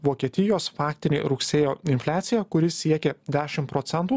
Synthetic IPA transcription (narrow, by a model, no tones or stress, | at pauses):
ʋoːkʲiɛt̪ʲɪjoːsfɑːkt̪ʲɪnʲḛːɾʊksʲeːjoːɪnʲfʲlʲæːt̪sʲɪjækʊɾʲɪsʲiɛkʲed̪ʲæːʃʲɪmpɾɔːt̪sʲɛnt̪uː